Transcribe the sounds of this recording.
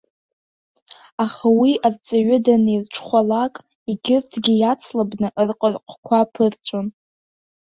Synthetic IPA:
aχawiʔart͡sʼaɥʊdanirʈ͡ʂʰχʷalakʼ | iɡʲɪrtʰɡʲijat͡sʰlabnɨʔrqʼərqʷʼʰkʷʰapʰɨrt͡sʷʼon

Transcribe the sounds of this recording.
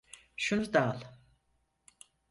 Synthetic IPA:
ʃunud̪alˠ

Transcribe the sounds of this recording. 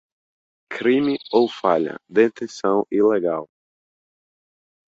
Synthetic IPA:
kʰɾimɪowfaʎɐ̰d̪ẽt̪ẽsɐ̃w̃ileɡaw

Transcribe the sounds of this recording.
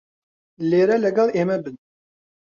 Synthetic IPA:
lːiɾælæɡɑðˤimæbən

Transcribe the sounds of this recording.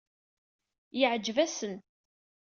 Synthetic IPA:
jəʕd͡ʒːvæsən

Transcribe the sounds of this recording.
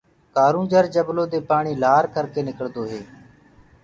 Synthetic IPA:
kaːɾũːd͡ʒəɾd͡ʒəbloːd̪eːpaːɳiːlaːɾkʰəɾkeːnɪkəɭd̪oːɦeː

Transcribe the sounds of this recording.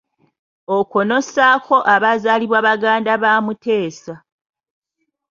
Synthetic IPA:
oko̞no̞saːko̞ʔaβazaːliβwaːβaɡaːndaβaːmute̞ːsa

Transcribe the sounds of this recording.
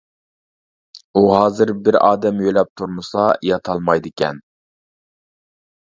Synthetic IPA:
uɦɑːzɨɾbɪɾɑːd̪ɛmjøjlɛp̚t̪ʰuɾmɨsɑjɑt̪ʰɑlˠmɑjd̪ɪkʲʰɛ̰n

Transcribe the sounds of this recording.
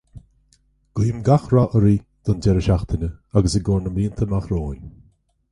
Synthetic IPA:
ɡ̥wiːmɡaxɾɔʔəɾiː | d̪̥ɔnd͡ʒɛɾəʃaxt̪ʰənʲəaɡəsəɡoːɹnəmɾiːənt̪ʰəmaxɾoːnʲ

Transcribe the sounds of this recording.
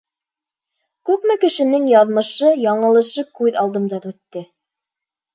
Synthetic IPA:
kʉkmɘkɘ̆ʃɘ̆nɘŋjɑðmɤ̆ʃɤjɑɴɤ̆lˠɤ̆ʃɤkʉðɑlˠd̪ɤ̆md̪ɑðʉt̪ːɘ

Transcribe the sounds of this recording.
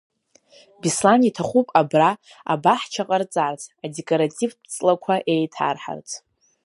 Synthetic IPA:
bislanitʰaχʷupʼabra | a̰baħt͡ʃʰaqʼart͡sʼart͡sʰadekʼoɾatʼivʰt͡sʼlakʷʰaʔe̞jtʰa̰rħa̰rt͡sʰʼ

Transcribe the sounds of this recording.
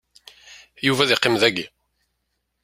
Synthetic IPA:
juvæðɪqːɪmðæɡi

